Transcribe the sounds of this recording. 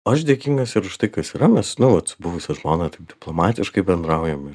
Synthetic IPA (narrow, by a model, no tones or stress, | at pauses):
ɐʃd̪ʲeɛkʲiŋɡɐsɪɾʊʃt̪ɐɪkɐsiːɾɐmʲɛsnʊʋɐt̪bʊʋʊsʲɛʒmoːnɐt̪ɐɪp̚dʲɪplˠoːmɑːt̪ʲɪʃkɐɪbʲɛnd̪ɾɐʊjɛmɪɾ